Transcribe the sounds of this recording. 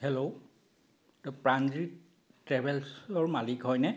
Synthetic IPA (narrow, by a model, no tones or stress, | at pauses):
hɛloʊ | tɔpɹandɹi | tɹɛbɛlsɔɹmalikɦɔjnɛ